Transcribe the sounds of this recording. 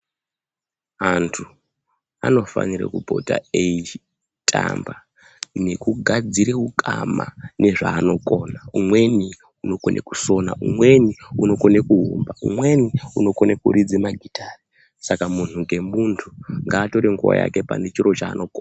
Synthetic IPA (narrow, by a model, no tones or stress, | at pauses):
antʰu | a̰no̞fa̰nirḛkubʱo̞̰ta̰ei | tʼa̰mba | ne̞kuɡʱad͡ziɾeukʼama̰ne̞ʐaːno̞kʼo̞naumwe̞ni | uno̞konʔeku̥so̞na̰umwe̞niuno̞ko̞nekuɦumbaṵmwe̞niuno̞konekuɾid͡zimaɡʱitʰaːri | sakamun̤uŋɡe̞muntʰuŋɡaːto̞ɾeŋɡuwa̰ja̰ke̞pa̰net͡ʃiro̞t͡ʃaːnʔo̞koːna